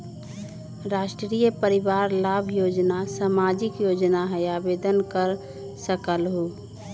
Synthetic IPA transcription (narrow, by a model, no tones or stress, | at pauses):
ɾaːʃʈɾɾiːjəpəɾɪʋaːɾlaːbʱjoːd͡ʒnasamaːd͡ʒɪkjoːd͡ʒnaɦɛjaːbeːd̪ənkəɾ | səkəlɦoː